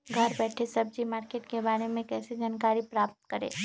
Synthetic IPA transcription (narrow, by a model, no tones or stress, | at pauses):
ɡʱɐɾbɛːʈʰesɐbd͡ʒimaːɾkeːʈkebaːɾemẽkɛːsed͡ʒaːnkaːɾipɾaːp̚t̪̚kɐɾḛː